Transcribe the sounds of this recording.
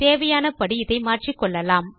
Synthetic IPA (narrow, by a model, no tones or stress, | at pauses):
t̪eːʋɐjaːnɐpɐɽiɪðɐɪmaːrʈrikːɔɭːɐlaːm